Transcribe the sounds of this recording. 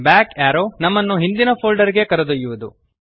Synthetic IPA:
baːkaːɾonɐmːɐnːuɦind̪inɐpʰoːlɖɐɾiɡe̞kɐɾɐd̪ujuʋud̪u

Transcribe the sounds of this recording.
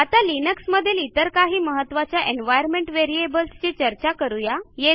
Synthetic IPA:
at̪alinəksməd̪ʱːjelit̪əɾkaɦiːməɦət̪ːʋat͡ɕjaʔenʋajəɾmeɳʈʋeɾiebəlst͡ɕet͡ɕəɾt͡ɕakəɾujaje

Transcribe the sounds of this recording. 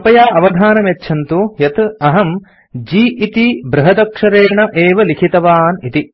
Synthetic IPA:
ɐpɐjaːʔɐʋɐd̪ʱaːnɐmɐt̪ːʃʰɐnt̪ujɐt̪ɐɦɐm | d͡ʒiːit̪ibɾɐɦɐd̪ɐkʂɐɾeːɳɐʔeːʋɐlikʰit̪ɐʋaːnit̪i

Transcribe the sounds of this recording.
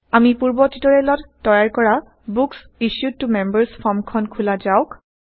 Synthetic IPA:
amipuɹbɔtitɔɹɛlɔtːɔjaɹkɔɹa | buks | isjutːumɛmbəɹspʰɔɹmkʰɔnkʰulazaʊk

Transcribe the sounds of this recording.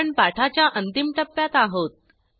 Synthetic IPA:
ɳpaʈʰat͡ɕjaʔənt̪imʈəpːjat̪aɦot̪̚

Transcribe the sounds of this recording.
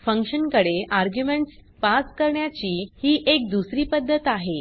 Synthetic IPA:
fəŋkʂənkəɽeʔaɾɡjumeɳʈs | paskəɾɳjat͡ɕiːhiːʔek̚d̪usɾiːpəd̪ʱːət̪aɦe

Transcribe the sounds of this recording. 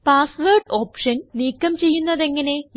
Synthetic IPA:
paːsʋɐrʈo̞ːpʂɐnniːkːɐmt͡ɕe̞jːunːɐðe̞ŋːɐne̞

